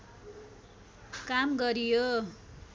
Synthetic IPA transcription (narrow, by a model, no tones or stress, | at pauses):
kamɡʌɾijo